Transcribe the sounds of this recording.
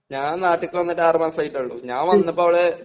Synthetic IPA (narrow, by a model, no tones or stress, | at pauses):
ɲaːnnaːʈːikʲːɨʋɐnːɐʈːɨaːrmaːsɐjtːɐɭːṵɲaːnʋɐnːɐpːoːɐʋiɭe